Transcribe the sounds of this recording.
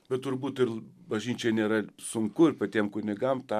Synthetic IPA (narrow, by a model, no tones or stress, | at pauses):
bʲɛt̪t̪ʊɾbuːt̪ɪrbɐʒʲnʲiːt͡ʃʲɛnʲeːɾɐsʊŋkʊɪrpɐt̪ʲiɛmkʊnʲɪɡɐmt̪ɑ